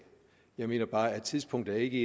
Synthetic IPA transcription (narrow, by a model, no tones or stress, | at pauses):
jɑ̈ɪme̝̰ːnɐb̥ɑ̈ːæd̥̚t͡sʰiðˠsb̥ʰɔ̽ŋ̰d̥̩æɐe̝ɡ̥əe